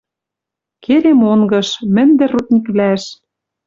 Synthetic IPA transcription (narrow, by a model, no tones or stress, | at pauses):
keɾemoŋɡɤ̆ʃmɘ̆nd̪ɘ̆rut̪̚nʲikβlæʃ